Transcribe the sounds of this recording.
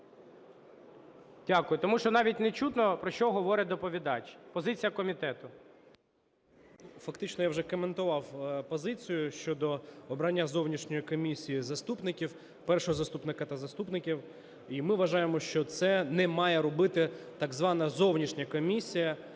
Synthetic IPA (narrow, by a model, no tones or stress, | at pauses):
dʲakʊjʊt̪ɔmuʃt͡ʃɔnɑʋʲitʲnet͡ʃut̪nɔpɾɔʃt͡ʃɔɦɔʋɔɾʲɪd̪ɔpɔʋʲid̪ɑt͡ʃʲpɔzɪt͡sʲijɐkɔmʲit̪ɛt̪ʊ | fɐkt̪ɪt͡ʃnɔjawʒɛkɔment̪ʊʋɑwpɔzɪt͡sʲijʊʃt͡ʃɔd̪ɔɔbɾɐnʲːazɔwnʲiʃnʲɔjikɔmʲisʲijizɐst̪upnɪkʲiw | pɛrʃɔɦɔzɐst̪upnɪkɐt̪ɐzɐst̪upnɪkʲiw | imɪʋɐʒɑjemɔʃt͡ʃɔt̪sɛnɛmɑjɛɾɔbɪt̪ɪt̪ɐɡzʋɑnɐzɔwnʲiʃnʲɐkɔmʲisʲijɐ